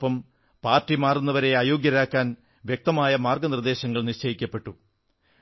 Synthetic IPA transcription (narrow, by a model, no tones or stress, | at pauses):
pːɐm | paːrtːimaːrunːɐʋɐɾe̞aːjo̞ːɡjɐɾaːkːaːn | ʋjek̚t̪ɐmaːjɐmaːrɡɐnird̪e̞ːɕɐŋːɐɭniɕt͡ɕɐjikʲːɐpːe̞ʈːu